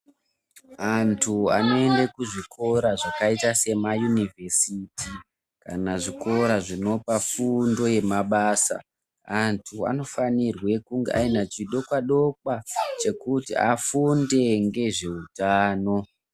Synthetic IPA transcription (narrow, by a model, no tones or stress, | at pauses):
antʰua̰no̞e̞ndekuʐikʰo̞ɾaʐakaitase̞majunive̞siti | kanaʐiko̞ɾaʐino̞pafundo̞je̞maɓaːsa̰ | antʰua̰no̞fanirwe̞kuŋɡeʔainat͡ʃiɗo̞kwaɗo̞kwat͡ʃe̞kutḭafunde̞ŋɡe̞ʐe̞utaːno̞